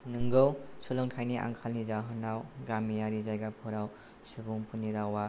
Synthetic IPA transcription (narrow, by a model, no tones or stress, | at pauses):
nɯŋɡɯwsulɯŋkʰajniʔa̰ŋkʰalnizaɦɯnawɡamijaɾizajɡapʰɔɾaw | subuŋpʰuniɾawa